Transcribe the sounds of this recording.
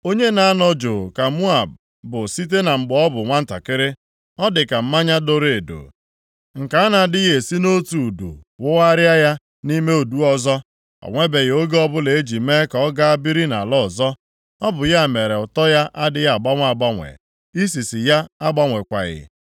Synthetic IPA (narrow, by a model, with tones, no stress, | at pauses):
o˦ɲe˦na˨a˦nɔ˦d͡ʒʊ˨ka˨mu˦a˨b̚ | bʊ˨si˦t̬e˦na˨ŋ͡m̩˨ɡ͡bɔ˦bʊ˨ŋʷa˦n̩˦ta̰˨kɪ˦ɾɪ˦ | ɔ˦dɪ˨ka˨m̩˦ma˦ɲa˦do˦ɾe˨e˨do̰˨ | ŋ̩˨ka˨a˦na˨dɪ˦ɣe˨si˦no˦tu˨dṵ˨wʊ˦wa˦ɾja˦ja˦ | ni˦me˦u˨du˦ɔ˦zɔ˦ | ɔ̰˨ŋʷe˦be˨ɣo˦ɡe˦ɔ˦bʊ˦le˨e˦d͡ʒi˨me˦ka˨ɔ˦ɡa˦a˦bi˦ɾi˦na˨lɔ˦ɔ˨zɔ˦ | ɔ˦bʊ˨ja˦˨me˨ɾe˨ʊ˨tɔ˦ja˦ʔa˦dɪ˦ja˦˨a˨ɡ͡ba˦ŋʷ˦a˨ɡ͡ba˦ŋʷḛ˨ | i˦s̬i˨sɪ˨ja˦a˦ɡ͡ba˦ŋʷe˨kʷa̰˨ɣɪ̰˨